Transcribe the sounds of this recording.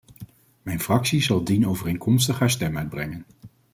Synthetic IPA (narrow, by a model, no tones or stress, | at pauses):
mɛjnfrɑksizɑlˠdinowvərejŋkʰɔmstəχɦaːɹstɛmœɥd̚brɛŋən